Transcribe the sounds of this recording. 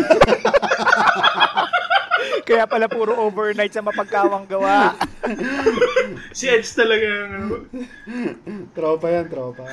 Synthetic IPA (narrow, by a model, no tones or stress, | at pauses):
kɐjapɐlapuːɾoʔoːbɛɹnajt̪̚sɐmɐpɐɡ̚kaːwɐŋɡɐwaʔ | sɪʔɛt͡ʃt̪ɐlɐɡanŋɐno | t̪ɾoːpɐjant̪ɾoːpɐ